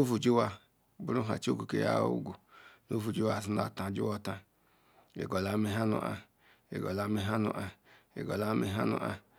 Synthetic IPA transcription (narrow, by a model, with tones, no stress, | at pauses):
o˦fu˨d͡ʒi˦wa˦ | bu˦ɾu˦ɦa̰˨t͡ʃo˦ɡu˨ke˨ja̰˦ṵ˦ɡu˨no˦vu˨d͡ʒi˦wa˨si˦a̰˨tã˨d͡ʒḭ˦wɔ˦ta˨ | ḛ˨ɡɔ˨la˨˦mi˦ɦa˦nṵ˨ʔa˨ | ḛ˨ɡɔ˨la˨˦mi˦ɦa˦nṵ˨ʔa˨ḛ˨ɡɔ˨la˦mi˦ɦa˦nṵ˨ʔa˨